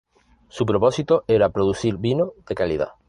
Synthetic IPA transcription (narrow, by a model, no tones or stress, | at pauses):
supɾoposit̪oeɾapɾoðuθiɾβinoðekalið̞a̰